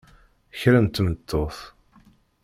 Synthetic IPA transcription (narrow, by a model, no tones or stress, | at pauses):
əçɾænt̪ːmət̪ːoθ